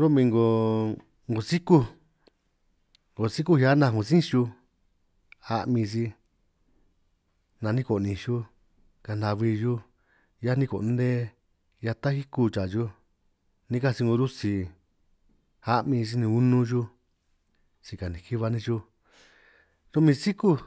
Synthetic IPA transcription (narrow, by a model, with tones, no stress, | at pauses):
ɾo˦mĩ˧ŋɡo˧ | ŋɡo˨si˦ku˦ | ŋɡo˨si˦ku˦ha˦nã˧ŋõ˨sĩ˦˧ʃu˧ | a˧ʔmĩ˧si˧ | nã˨˧nĩ˦ko˨nĩ˧˨ʃu˦ | ka˧nd̪a˧βi˧ju˦ | ja˦nĩ˧ko̰˨˧nd̪ẽ˦ | ja˧t̪a˦hi˦ku˧t͡ʃa˨ju˦ | nĩ˧˦ka˧si˧ŋɡõ˧ɾu˦si˧ | a˦ʔmĩ˧s̬i˧nĩ˧u˦nũ˦ʒu˦ | t͡ʃi˧ka˨nĩ˨ki˦βa˧nĩ˧ʒu˧ | tu˧mĩ˧si˦ku˦